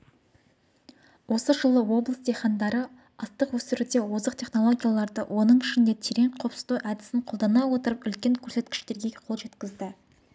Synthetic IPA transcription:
wo̞səʒəlˠəwo̞blˠəsd̪ejχɑnd̪ɑɾə | ɑst̪əqwɵsɪɾud̪e̞wozəqt̪ʲʰe̞χno̞lˠo̞ɡʲijalˠɑɾd̪əwʔo̞nəɴɪʃɪnd̪e̞t̪ʰeɾe̞ɴqʰo̞psə̥zt̪uʔæd̪ɪsɪɴqʰo̞lˠd̪ɑnɑwo̞t̪əɾəpʏlkʲe̞ŋkʲʰɵɾse̞t̪kʲɪ̥ʃt̪e̞ɾɡʲe̞qʰo̞lˠʒe̞t̪kʲɪzd̪ɪ

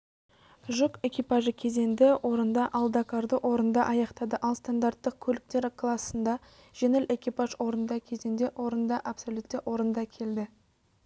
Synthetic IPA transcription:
ʒʊke̞kʲijpaʒəkʲʰe̞ze̞nd̪ɪwʔo̞ɾənd̪ɑʔɑlˠd̪ɑkaɾd̪əʔwʔo̞ɾənd̪ɑʔɑjɑqt̪ɑd̪əʔɑlˠst̪and̪art̪ːəq̚kʲʰɵlɪk̚t̪e̞ɾɪkʰlˠasːənd̪ɑ | ʒ̥enelʔe̞kʲijpɑʒwo̞ɾənd̪ɑkʲʰe̞ze̞nd̪e̞ʔwo̞ɾənd̪ɑʔɑpsolʲˠut̪ːeʔwʔo̞ɾənd̪ɑkʲʰe̞ld̪ɪ

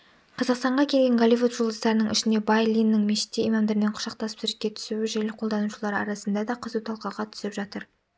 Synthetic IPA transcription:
qʰɑzɑqst̪ɑɴʁɑkʲʰe̞lɡʲe̞ŋɡolʲivut̪ʒold̪əsd̪ɑɾənəɴɪ̰ʃɪnd̪e̞bajlʲˠijnːɪŋmeʃɪ̥t̪ːeijmɑmd̪eɾɪneɴqʰʊ̥ʃɑq̚t̪ɑsə̥psʏɾɪk̚ʲːe̞t̪ʰʏ̥sɪwɪʒejlɪqʰolˠd̪ɑnuʃlˠɑɾɑ̰ɾɑsənd̪ɑd̪ɑqʰəzuwt̪ʰɑlˠqɑʁɑt̪ʰʏ̥sɪpʒɑt̪əɾ

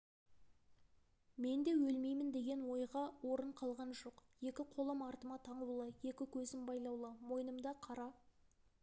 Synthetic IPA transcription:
me̞nd̪e̞wɵlme̞jmɪnd̪e̞ɡʲe̞nwo̞jʁɑwo̞ɾəɴqʰɑlˠʁɑnʒo̞qje̞kʲɪqʰo̞lˠɑmɑɾt̪əmɑt̪ʰɑɴəlˠulˠəje̞kʲɪkʲʰɵzɪmbɑjlˠɑwlˠəmo̞jənəmd̪ɑqʰɑɾɑ

